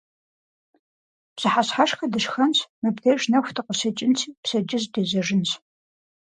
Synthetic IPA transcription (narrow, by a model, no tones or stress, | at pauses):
psɨħasħaʂxɐdɨʂxɐnsmɐbɡeʒnɐxʷtʰɨqəsɐt͡ʃʼɪnt͡sʰiːpsɐd͡ʒʼɪzdeːzɐʐɪnt͡s